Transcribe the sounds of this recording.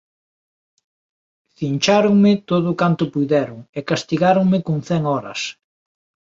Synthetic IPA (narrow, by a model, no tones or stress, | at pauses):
θint͡ʃaɾʊŋmɪt̪oðʊkant̪ʊpujðɛɾʊŋekast̪iɣaɾʊŋmɪkoŋθɛŋɔɾɐ̰s